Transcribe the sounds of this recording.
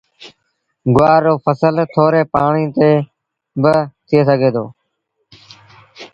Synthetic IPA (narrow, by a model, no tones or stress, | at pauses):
ɡʊʋaːɾːoːpʰəsəlt̪ʰoːɾeːpaːɳiːt̪eː | bət̪ʰɪeːsəɡʱeːd̪o̰ː